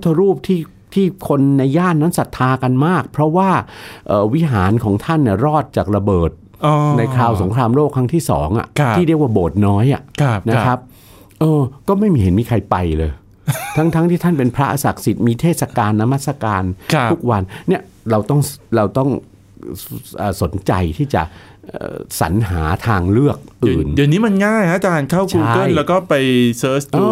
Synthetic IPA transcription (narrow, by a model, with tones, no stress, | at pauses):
t̪ʰːa˧ɾuː˥˩p̚t̪ʰiː˥˩ | t̪ʰiː˥˩kʰo˧nːa˧jːaː˥˩nnːa˦˥nsa˨˩t̪ʰːaː˧ka˧nmaː˥˩k̚pʰɾɔ˦˥waː˥˩ʔɤː˨˩wi˦˥ɦaː˩˦nkʰɔː˩˦ŋt̪ʰa˥˩nːi˥˩ɾɔː˥˩t̪̚t͡ɕaː˨˩k̚ɾa˧bɤː˨˩t̪̚ː | na˧jkʰɾaː˧wso˩˦ŋkʰɾaː˧mɾoː˥˩kʰɾa˦˥ŋt̪ʰiː˥˩sɔ̰ː˩˦ŋʔa̰˨˩t̪iː˥˩ɾi˥˩k̚waː˥˩boː˨˩t̪̚nɔː˦˥jʔa˨˩ʔʰna˦˧kʰa˦˥p̚ | ʔɤː˧kɔː˥˩ma˥˩jmiː˧he˩˦nmiː˧kʰa˧jpa˧jlɤː˧j | t̪ʰa˦˥ŋt̪ʰa˦˥ŋt̪ʰiː˥˩t̪ʰa˥˩npe˧npʰɾa˦˥ʔa˧sa˨˩k̚si˨˩t̪̚miː˧t̪ʰeː˥˩t̪̚sa˧kaː˧nːa˦˧˥ma˥˩t̪a˧kaː˧nkʰu˦˥k̚wa˧nːi˥˩ə | ɾa˧wt̪ɔ˥˩ŋɾa˧wt̪ɔ˥˩ŋ | ʔəː˨˩so˩˦nt͡ɕa˧jt̪ʰiː˥˩t͡ɕa̰˨˩ʔʔɤ̰ːsa̰˩˦nɦaː˩˦t̪ʰaː˧ŋlɯ˥˩ək̚ʔɯː˨˩ndi˨˩niː˦˥ma˧nŋaː˥˩ja˦˥t͡ɕaː˧nkʰa˥˩wt͡ɕuː˧a˧˦˥kɤ˥˩nlɛː˦˥wkɔː˥˩pa˧jsɤː˦˥səː˧